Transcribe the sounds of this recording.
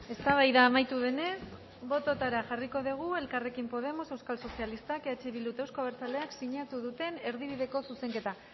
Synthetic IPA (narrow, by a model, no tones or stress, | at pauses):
e̞st̪aβajðaːmajt̪uβe̞ne̞s | bo̞t̪o̞t̪aɾaʝariko̞ðiɣ̞ue̞lkare̞kimpo̞ð̞e̞mo̞se̞wskalso̞sialist̪akeat͡ʃeβilut̪ewskoβeɾt͡saleaksiɲat̪uðut̪e̞ne̞ɾðiβ̞iðe̞ko̞suse̞ŋke̞t̪a